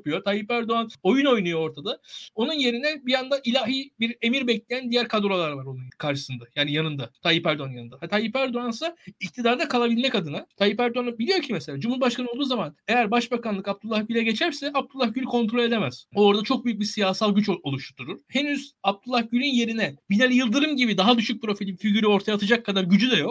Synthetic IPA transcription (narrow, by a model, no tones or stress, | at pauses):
pujot̪ʰajipæɾd̪oano̞juno̞jnujooɾt̪ʰad̪ao̞nunje̞ɾinɛbijand̪aʔilʲaːɦibiɾe̞miɾbɛclʲejænd̪ijæɾkʰad̪oɾoalˠaɾvaɾo̞nunkʰaɾʃɯ̥sɯnd̪ajaːnijanɯnd̪at̪ʰajipæɾd̪oanjanɯnd̪aat̪ʰajipæɾd̪oansaic̚t̪ʰid̪aɾd̪akʰalˠabilʲmɛcad̪ɯnat̪ʰajipæɾd̪oanubilʲijo̞ɾcʰimeselʲaːd͡ʒumhuɾbaʃkʰanɯolˠd̪uːzamane̞jæɾbaʃbakanlˠɯkab̚t̪ʰulˠːahɟylʲɛɟe̞t͡ʃʰæɾsɛʔab̚t̪ʰulˠːahɟylʲikʰo̞nt̪ʰɾo̞lʲe̞d̪e̞mɛz̥o̞ɾd̪at͡ʃʰo̞k̚byjyc̚bisijaːsalˠɟyt͡ʃolˠuʃt̪ʰuɾuɾ̥he̞nyzab̚t̪ʰulˠːahɟylʲinje̞ɾinɛbinelʲijɯlˠd̪ɯɾɯmɟibid̪aɦad̪yʃyc̚pʰɾo̞filʲifiɟyɾyo̞ɾt̪ʰajat̪ʰɯd͡ʒakʰːad̪aɾɟyd͡ʒyd̪ɛjo̞k̚